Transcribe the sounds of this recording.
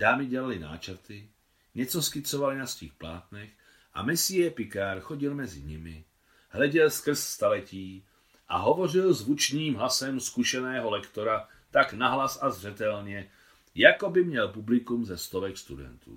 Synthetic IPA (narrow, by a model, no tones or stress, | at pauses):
d̥aːmɪɟɛlalɪna̰ːt͡ʃɛɾt̪ɪ | ɲɛt͡soskɪt͡sovalɪnasvixplaːt̪nɛx | ʔa̰mɛsɪjɛpɪkaɾxoɟɪlmɛzɪ̰ɲɪmɪ | ɦlɛɟɛlskr̩sst̪alɛciː | ʔa̰ɦovo̞rɪlzvut͡ʃɲiːmɦlasɛmskuʃɛnɛːɦolɛkt̪oɾa | t̪aknaɦlasazr̝ɛt̪ɛlɲɛ | jakobɪmɲɛlpublɪkumzɛst̪ovɛkst̪udɛ̰nt̪ṵː